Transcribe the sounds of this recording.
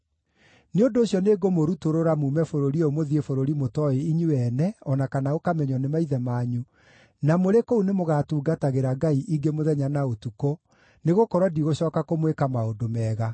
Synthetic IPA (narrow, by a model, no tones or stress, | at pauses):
neondoːɕjɔneɡomoɾutoɾoɾamuːmɛfoɾoɾiomoðiefoɾoɾimotɔeiɲuɛnɛɔnakanaokamɛɲɔnemaiðɛmaːɲu | namoɾekounemoɣatuːɡataɣeɾaɡaiʔiɡemoðɛɲanaotuko | neɣokɔɾwadiɣoɕɔːkakomwekamaondomɛːɣa